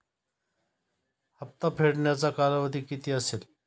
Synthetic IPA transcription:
həp̚t̪apʰeɽɳjat͡sakaɾəʋəd̪ʱikit̪iəsel

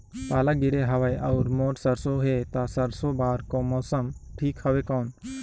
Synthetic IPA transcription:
paːlaɡɪɽeɦɐʋajʔɐːɾmoːʈsɐɾsoɦeːt̪asɐɾsobaːɾkomɔːsəmʈʰiːkhəʋekɔːn

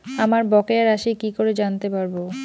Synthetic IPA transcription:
amaɾbɔkeaɾaʃikikoɾed͡ʑant̪epaɾbo

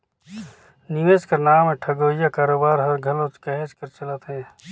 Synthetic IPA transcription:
niʋeːskəɾnaːmẽʈʰɐɡoːjakaːɾoːbaːɾɦɐɾɡʱɐlõt͡ʃkɛɦet͡ʃkəɾt͡ʃɐlət̪ɦɛ̃ː

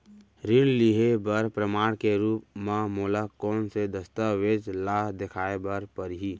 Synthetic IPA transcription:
ɾɪnliɦebəɾpɾəmaːɽkeɾuːpmãmoːlakɔːnsed̪əst̪aʋed͡ʒlaːɦd̪ɪkʰaːebəɾpəɾɦiː

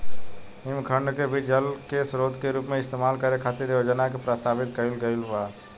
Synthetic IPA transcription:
ɪmkʰə̃ɳɖkebʱid͡ʒəlkesɾoːd̪keɾuːpmẽɪst̪eːmaːlkəɾekʰaːt̪iɾeod͡ʒənakepɾəst̪aːʋɪt̪kəɪlɡəɪla

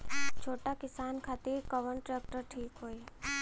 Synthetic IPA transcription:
t͡ʃʰoːʈakɪsaːnkʰaːt̪iɾkəʋəɳʈɾeːk̚ʈəɾʈʰiːkɦoːi

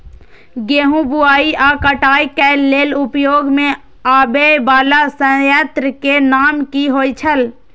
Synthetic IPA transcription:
ɡeːɦũbuaːiʔaːkəʈaːikɛleːlʊpjoːɡmẽ | aːbebaːlasə̃jət̪ɾəkenaːmkiɦoːit͡ʃʰəl

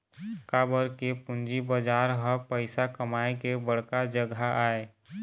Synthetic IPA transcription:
kabəɾkepʊ̃nd͡ʒibəd͡ʒaːɾɦəpəɪsakəmaekebəɽ̤kad͡ʒəɡʱaʔae

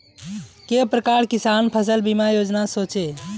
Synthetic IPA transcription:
kepɾəkaɾkisanpʰəs̬əlbimajod͡ʒnasot͡ʃe

